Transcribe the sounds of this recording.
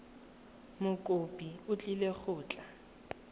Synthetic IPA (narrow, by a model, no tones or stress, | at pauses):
mʊkʼopʼiʊt͡ɬʼilek͡xʰʊːt͡ɬʼa